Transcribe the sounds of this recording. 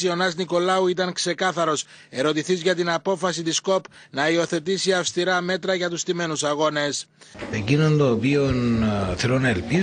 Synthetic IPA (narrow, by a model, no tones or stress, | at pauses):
io̞nɐzniko̞lɐuit̪ɐŋkse̞kɐθɐɾo̞s | e̞ɾo̞t̪iθizʝɐt̪inɐpo̞fɐsit̪isko̞p | nɐio̞θe̞t̪isiɐfst̪iɾɐme̞t̪ɾɐʝɐt̪ust̪ime̞nusɐɣo̞ne̞secinond̪oːpionθelonɐelpi